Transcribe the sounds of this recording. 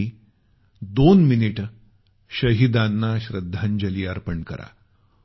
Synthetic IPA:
i | d̪onminiʈ | ɕəɦid̪anːaɕɾəd̪ʱːaɲd͡ʑəliːəɾpəɳkə̰ɾa̰

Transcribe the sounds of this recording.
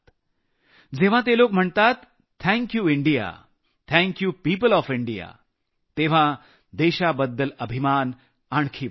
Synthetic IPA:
d͡zeʋ̤ãt̪̬elokm̤əɳt̪at̪ | t̪ʰɛ̃ŋkjuːiɳɖija̰ | t̪ʰɛ̃ŋkjupiːpəlɔːfiɳɖija̰ | t̪eʋ̤ã | d̪eɕabəd̪ːələbʱimaːn | aɳ̃kʰi

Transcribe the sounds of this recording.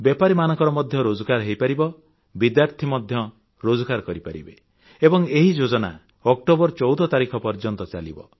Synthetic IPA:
bjepaɾimanɔ̃ŋkɔɾɔmɔd̪ʱjɔɾod͡ʒɔkaɾɦejpaɾibɔ | bid̪jaɾt̪ʰimɔd̪ʱjɔ | ɾod͡ʒɔkaɾkɔɾipaɾḭbe | ebɔŋeɦid͡ʒod͡ʒɔna̰ | ɔk̚ʈobɔɾt͡ʃɔwd̪ɔt̪aɾikʰɔpɔɾd͡ʒɔnt̪ɔt͡ʃalḭbɔ̰

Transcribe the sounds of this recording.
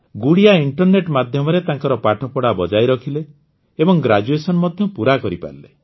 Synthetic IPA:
ɡuɽijaiɳʈɔɾneʈmad̪ʱjɔmɔɾet̪ãŋkɔɾɔpaʈʰɔpɔɽabɔd͡ʒajɾɔkʰileː | bɔŋɡɾad͡ʒuesɔnɔmɔd̪ʱjɔpuɾakɔɾipa̰ɾlḛ

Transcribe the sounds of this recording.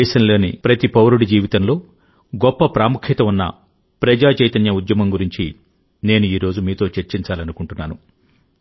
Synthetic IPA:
ɛːʃɐnlo̞ːnipɾɐt̪ipɐwɾuɽid͡ʒiːʋit̪ɐnlo̞ː | ɡɔpːɐpɾaːmukʰjit̪ɐunːɐ̰ | pɾɐd͡ʒaːt͡ʃɐjt̪ɐnjɐud̪jɐmɐmɡuɾiɲt͡ʃi | ne̞ːnuiːɾo̞ːd͡ʒumiːt̪o̞ːt͡ʃeɾt͡ʃiɲt͡ʃaːlɐnukuɳʈunːaːnu

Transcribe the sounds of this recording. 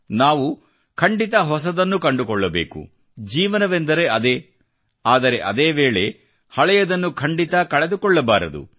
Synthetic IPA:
naːʋu | kʰɐɳɖit̪ɐɦɔs̬ɐd̪ɐnːukɐɳɖukɔɭːɐbe̞ːkṵ | d͡ʒiːʋɐnɐʋend̪ɐɾe̞ɐd̪eː | aːd̪ɐɾe̞ʔɐd̪eːʋeːɭe̞ | hɐɭɛjɐd̪ɐnːukʰɐɳɖit̪ɐkɐɭed̪ukɔɭːɐbaːɾɐd̪ṵ

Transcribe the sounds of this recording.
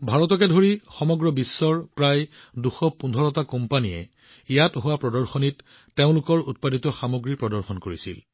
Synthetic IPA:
bʱaɹɔtɔkɛdʱoɹixɔmɔɡɹɔbisːɔɹpɹaj | duxɔpundʱɔɹɔtakɔmpanijɛ̰ | ijatɦʊwapɹɔdɔɹxɔnitː | eʊ̃lʊkɔɹut̚paditɔxamoɡɹipɹɔdɔɹxɔnkoɹisḭl

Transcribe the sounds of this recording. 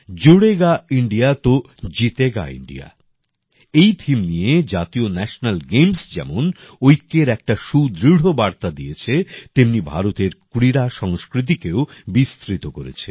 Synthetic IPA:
d͡ʑoɽeɡaiɳɖijat̪o | d͡ʑit̪eɡa̰ḭɳɖḭja̰ | ejt̪ʰimnijed͡ʑat̪ionɛʃonalɡemsd͡ʑɛ̰monojkːeɾɛk̚ʈaʃud̪ɾiɽ̤obaɾt̪ad̪ijet͡ɕʰet̪emnibʱaɾot̪eɾkuɾiɾaʃɔŋskɾit̪̬ikeobist̪ɾit̪okoɾḛt͡ɕʰe

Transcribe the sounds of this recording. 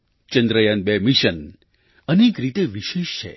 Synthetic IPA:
t͡ʃənd̪ɾəjanbemiʃən | ənekɾit̪eʋiʃeʃt͡ʃʰḛ

